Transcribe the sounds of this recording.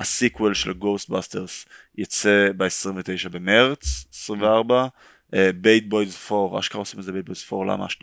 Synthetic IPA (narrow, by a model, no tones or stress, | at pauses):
asikwelʃḛlɡost̪̚baste̞ʁs | jat͡sebeesʁĩɱvet̪e̞jʃabe̞meʁt͡sesʁimveaʁba | ebejt̪̚bojzfo̞ʁa̰ʃkaosimelzebet̚bojzfo̞ʁla̰ma̰ːʃnia